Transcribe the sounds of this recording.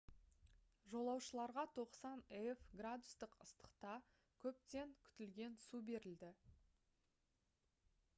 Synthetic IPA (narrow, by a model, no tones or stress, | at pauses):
ʒo̞lˠɑwʃəlˠɑɾʁɑt̪ʰo̞qsɑneefɡrad̪ʊst̪əqəst̪ə̥qt̪ɑ | kʲʰɵp̚t̪e̞ŋkʲʰʏ̥t̪ɪlɡʲe̞nsube̞ɾɪld̪ɪ